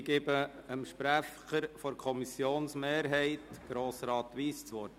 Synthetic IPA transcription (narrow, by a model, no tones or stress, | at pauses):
ɡebəəmʃpɾæ | əɾfɔɾkʰɔmisjoːnsmeːɾɦɛɪt̪ɡ̥ɾoːsɾɑːt̪ʋiːst͡sʋɔɾt